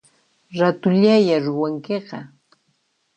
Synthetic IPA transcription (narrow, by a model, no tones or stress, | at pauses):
ɾat̪ʊʎajaɾʊwaŋkeqɑ̰